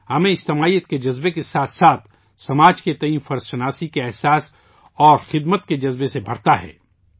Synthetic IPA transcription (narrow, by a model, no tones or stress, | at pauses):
hɐmẽɪd͡ʒt̪ɪmaːijːət̪̚ked͡ʒɐzbekesaːt̪ʰsaːt̪̚ʰ | sɐmaːd͡ʒket̪ɐiːnfɐɾzʃɐnaːsikeɛɦsaːs | ɔːɾxɪd̪mət̪ked͡ʒɐzbesebʱɐɽt̪aɦɛ̰ː